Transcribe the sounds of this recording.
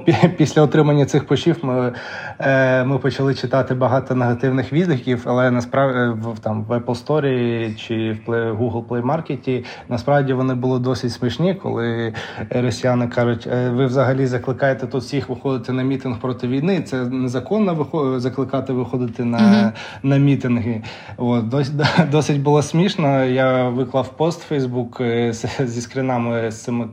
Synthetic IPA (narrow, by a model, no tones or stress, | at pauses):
pʲpʲisʲlʲɐɔt̪ɾɪmɐnʲːɐsɪxpɔʃʲiwmɪ | mɪpɔt͡ʃɐlˠɪt͡ʃɪt̪ɑt̪ɪbɐɦɑt̪ɔneɦɐt̪ɪwnɪxʋʲid̪lʲikʲiwɐlˠɛnɐspɾɑʋʋt̪ɑmʋɛplˠst̪ɔɾʲit͡ʃɪwpˠɛɦuɦlˠplˠɛjmɑrketʲi | nɐspɾɑwdʲiʋɔnɪbʊlˠɔd̪ɔsʲɪtʲsmɪʃnʲikɔ̰lˠɪ | ɾɔsʲjanɪkɑʒʊtʲʋɪʋzɐɦɐlʲizɐklˠɪkɑjet̪ɛt̪ut̪sʲixʋɪxɔd̪ɪt̪ɛnɐmʲit̪ɪnxpɾɔt̪ɪʋʲijnɪt̪sɛnezɐkɔnːɔʋɪxɔzɐklˠɪkɑt̪ɪʋɪxɔd̪ɪt̪ɪnɐ | nɐmʲit̪ɪnɦɪ | ʋɔd̪ɔd̪ɔsʲɪtʲbʊlˠɔsʲmʲiʃnɐjaʋɪklˠɑwpɔst̪fɛjzbukszʲiskɾɪnɑmɪst̪sɪmɪ